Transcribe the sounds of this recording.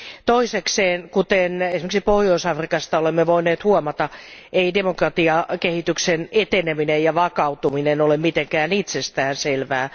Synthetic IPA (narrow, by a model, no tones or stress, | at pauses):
t̪oisekseːnkut̪enesimĕksipohjoisɑfrikɑst̪ɑolemːeʋoineːt̪huɔmɑt̪ɑeidemokrɑt̪iɑkehit̪yksenet̪eneminejɑʋɑkɑut̪uminenolemmit̪eŋkæːnit̪sest̪æːnselʋæː